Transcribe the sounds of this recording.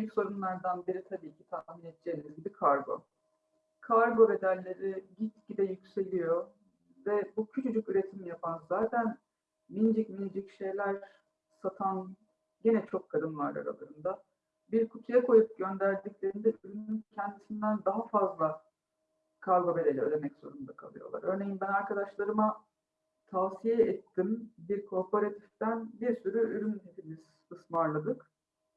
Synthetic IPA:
byjycso̞ɾunlˠaɾd̪anbiɾit̪ʰabiːcʰit̪ʰaminet̪̚d͡ʒeːnizɡʲibikʰaɾɡo̞̰ | kʰaɾɡo̞be̞d̪ælʲːe̞ɾiɟit̪̚ɟid̪ɛjycse̞lʲijo | vɛbucʰyt͡ʃʰyd͡ʒycyɾe̞t̪ʰimjapʰanzaːt̪ʰæn | mind͡ʒicminid͡ʒicʃe̞jlʲæɾ | sat̪ʰan | ɟenɛt͡ʃʰo̞kʰːad̪ɯnvaɾa̰ɾa̰lˠaɾɯnd̪a | biɾkʰut̪ʰujakʰo̞jup̚ɟø̞nd̪æɾd̪iclʲe̞ɾind̪ɛʔyɾynyncʰɛnd̪isind̪ænd̪aɦafazlˠa | kʰalˠɡabeɾelʲɛø̰d̪emɛcz̥o̞̰ɾund̪akʰalˠɯjo̞̰lˠa̰ɾø̞ɾne̞jimbænaɾkʰad̪aʃlˠaɾɯma | t̪ʰaːsijɛɛt̪ʰːimbiɾkʰo̞ɾpʰoɾat̪ʰift̪ænbiɾsyɾyyɾynhe̞pʰimiz̥ | ɯsmaɾlˠad̪ɯk

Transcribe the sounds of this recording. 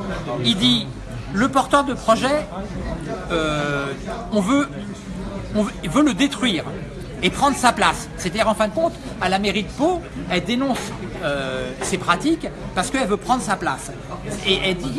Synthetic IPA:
ild̪i | ləpɔʁt̪œʁd̪əpχɔʒɛ | ø | ɔ̃vø | ɔ̃vøləd̪et̪χɥiːʁ | epχɑ̃d̪ʁəsaplasːet̪ad̪iʁɑ̃fɛ̃d̪əkɔ̃t̪ | alameʁid̪poɛld̪enɔ̃s | øsepχat̪ikpaʁsə̥kəɛlvøpχɑ̃d̪ʁəsaplas | eʔɛld̪i

